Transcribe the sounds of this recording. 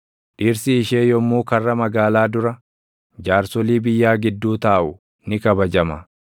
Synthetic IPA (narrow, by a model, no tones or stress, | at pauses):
ᶑiːɾsɪːʃeːjɔmːuːkɐrːɐmɐɡaːlaːd̪ʊɾɐ | d͡ʒaːɾsɔliːbɪjːaːɡɪd̪ːuːt̪aːʔʊ | nɪkɐbɐd͡ʒɐmɐ